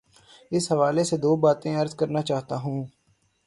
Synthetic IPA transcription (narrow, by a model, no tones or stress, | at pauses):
ɪsɦəʋaːleːseːd̪oːbaːt̪ẽːəɾzkəɾnaːt͡ʃaːɦt̪aːɦũː